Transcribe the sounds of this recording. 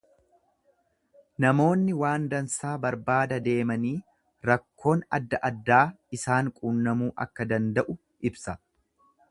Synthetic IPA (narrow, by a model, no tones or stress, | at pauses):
nɐmo̞ːnːɪwaːnd̪ɐnsaːbɐɾbaːd̪ɐd̪e̞ːmɐniː | ɾɐkːo̞ːnɐ̰d̪ːɐʔɐd̪ːaː | ɪsaːŋkʼuːnːɐmuːʔɐ̰kːɐd̪ɐnd̪ɐʔʊ | ʔɪbsɐ